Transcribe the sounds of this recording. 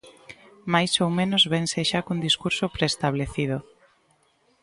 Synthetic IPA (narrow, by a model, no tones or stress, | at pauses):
majsowmẽnozβenseʃakund̪iskuɾsopɾeːst̪aβ̞leθið̞o